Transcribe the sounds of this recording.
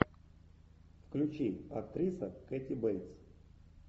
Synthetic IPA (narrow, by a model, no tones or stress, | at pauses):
fklʲut͡ɕiɐkt̪ɾʲisɐkɛt̪ʲibɛlʲt̪s